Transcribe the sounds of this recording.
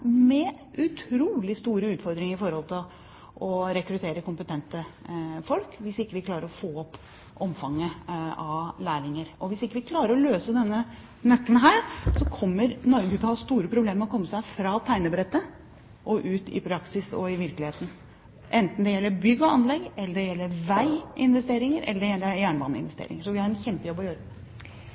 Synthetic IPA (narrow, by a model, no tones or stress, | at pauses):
mɛ | ʔʉt̪ʰɾuːlɪst̪uːɾəʉːt̪fɔɾd̪ɾɪŋəɾɪfɔɾhɔlt̪ɪl | ɔɾɛkɾʉt̪ʰeːɾəkʊmpət̪ʰɛnt̪əfɔlkʋɪsɪkːəʋɪkʰlɑːɾəɾɔfoːɔpː | ʔɔmfɑŋːəɑʋlæːɾɪŋəɾɔʋɪsɪkːəʋɪkʰlɑːɾəɾɔløːsəd̪ɛnːə | nœk̪ːənɦæːɾsɔkʰɔmːəɾnɔɾɡʉːt̪ʰəhɑːst̪uːɾəpʰɾʊbleːməɔkʰɔmːəsæɪfɾɑt̪ʰæɪnəbɾɛt̪ːə | ʔɔʔʉːt̪ʰɪ̰pʰɾɑksɪsɔ̰ɪʋɪɾklɪheːt̪n̩ | ʔɛnt̪n̩d̪ɛjɛlːəbʏɡːɔɑnlɛɡːɛlːəɖɛjɛlːəɾʋæɪɪnʋɛst̪eːɾɪŋəɾʔɛ̰lːəɖɛjɛlːəjæːɳʋɑnːəɪ̰nʋɛst̪ḛːɾɪ̰ŋəʂɔʋɪhɑɾɛnçɛmpəjɔbːɔjøːɾə